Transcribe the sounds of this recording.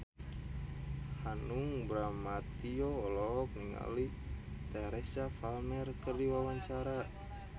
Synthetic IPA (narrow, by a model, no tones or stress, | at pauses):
hanuŋbɾamat̪iɔːlɔk̚niŋa̰lit̪ɛɾɛsafalmɛrkərdiwawaɲt͡ʃaɾa